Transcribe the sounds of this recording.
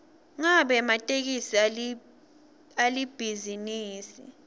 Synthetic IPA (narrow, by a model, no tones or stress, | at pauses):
ŋaɓɛmatʼek̬isi | alib̥ʱiziniːsḭ